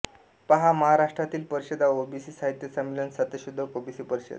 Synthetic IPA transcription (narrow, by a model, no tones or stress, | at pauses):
paɦaməɦaɾaʂʈɾat̪iːlpəɾiɕed̪aobisiːsaɦit̪jəsəmːilənsət̪əɕud̪ʱːəkobisiːpəɾiɕḛd̪